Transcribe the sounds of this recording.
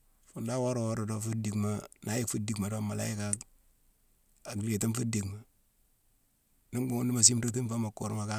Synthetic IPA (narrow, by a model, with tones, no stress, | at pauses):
fu˨nda˦wo˦ɾo˨wo˦ɾo˨do˦fu˦di˨kma˦na˦ji˦kfu˦di˨kma˨do˦ma˨la̰˦i˦ka˦ | a˨ɡi˨le˨ti˦nfu˦di˨kma˨ | ni˦mɡu˦ŋu˦ndi˦ma˨s̬i˦mto˦t̬i˦nfa˦ma˨kːo˨ɾma˨ka˦